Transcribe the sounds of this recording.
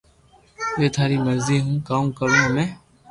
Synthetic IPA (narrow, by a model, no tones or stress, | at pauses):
ʋeːt̪ʰaːɾiːməɾziːɦũːkaːmkəɾõːmɛ̃ː